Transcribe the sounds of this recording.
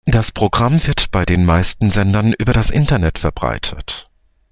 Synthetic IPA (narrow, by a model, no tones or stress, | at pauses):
d̥aspʁ̥oɡʁamvɪɐtb̥aɪdeːnmaɪstn̩zɛndɐnʔyːbɐɾasʔɪntɐnɛtfɛɐbʁa̰ɪtʰət